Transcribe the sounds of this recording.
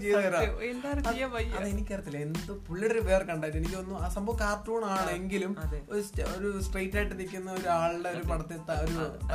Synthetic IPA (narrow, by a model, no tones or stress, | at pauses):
t͡ɕejeɾaend̪aːrt͡ɕejaʋɐjːɐðenikʲːeɾɐt̪ːilːɐend̪ɨpuɭːɐɽɐɾiʋeːrkɐɳɖaːjiʈːenikʲːiʋɐnːuasɐmbɐʋkaːrʈːuːɳaːɳɨeŋɡilumɐeoɾusoɾusʈrejtːajʈːɨnikʲːunːɐoɾuaːɭɖeoɾupɐɳɐt̪ːit̪ːɐoɾu